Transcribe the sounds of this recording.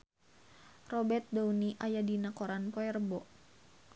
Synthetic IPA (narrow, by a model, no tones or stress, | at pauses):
rɔbɛrt̪̚dauniʔajadinakɔɾanpɔɛrbɔ